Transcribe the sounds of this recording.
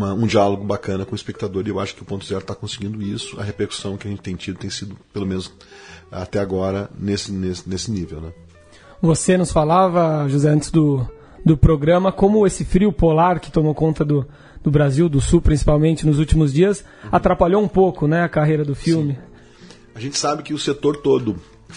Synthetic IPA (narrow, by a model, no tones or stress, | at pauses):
mɐũd͡ʒialoɡʊbakɐ̃nɐkõʊispek̚t̪ad̪oɾɪewaʃʊ̥kɪʊpõt̪ʊzɛɾʊt̪akõsɪɡĩnd̪ʊisʊɐ̰hepeɾku̥sɐ̃w̃kɪɐʒẽnt͡ʃɪ̥t̪ẽj̃t͡ʃid̪ʊt̪ẽj̃sid̪ʊpelomẽnʊz | a̰t̪ɛaɡɔɾɐnesɪnesnesɪnivewnɛ | vosenʊsfalavɐʒuzɛɐ̃nt͡ʃɪzd̪ʊ | d̪ʊpɾoɡɾɐ̃mɐkõmʊesɪfɾiʊpolaɾkɪ̥t̪omowkõnt̪ɐd̪ʊ | d̪ʊbɾaziwd̪ʊsupɾʲĩsi̥pawmẽnt͡ʃɪnʊzuwt͡ʃimʊzd͡ʒiɐs | at̪ɾapaʎoũpowkʊnɛɐkaɦejɾɐd̪ʊfiwmɪ | aʒẽnt͡ʃ̪ɪ̥sabɪkɪʊset̪oɾt̪od̪ʊ